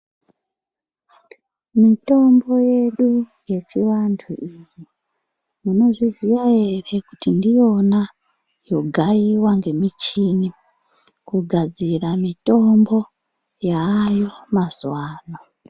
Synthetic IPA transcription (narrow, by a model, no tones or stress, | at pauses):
mito̞mbo̞je̞ɗu | je̞t͡ʃiwantʰṵʔiji | muno̞ʐiziʋaere̞kutindijo̞na | jo̞ɡʱaiwaŋɡe̞mit͡ʃini | kuɡʱad͡ziramito̞mbo̞ | jaːjo̞mazwaːno